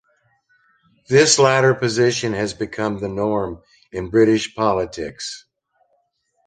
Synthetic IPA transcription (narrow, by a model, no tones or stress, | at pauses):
ðɪslæɾə˞pɨzɪʃɨ̃nɨzbɨkʰʌ̃mðɨnɔɹm | ɨ̃nbɹɪɾɨʃpʰɑlˠətʰɪ̰ks